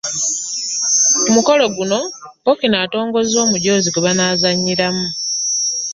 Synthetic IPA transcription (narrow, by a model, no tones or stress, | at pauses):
umuko̞lo̞ɡuno̞pokinaːto̞ːŋɡo̞zzo̞ːmuɟo̞ːzikuβanaːzaɲːiɾamu